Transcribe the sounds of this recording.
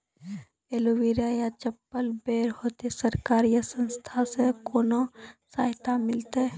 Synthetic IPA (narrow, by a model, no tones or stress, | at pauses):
eluʋiɾajat͡ʃəpːəlbeːɾhoːt̪esəɾkaːɾijəsə̃nst̪ʰasekoːnosaːɦt̪amɪlt̪e